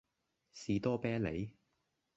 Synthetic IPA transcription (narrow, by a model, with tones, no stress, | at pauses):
siː˨˧t̪ɔː˥pɛː˥lḛ˨˧j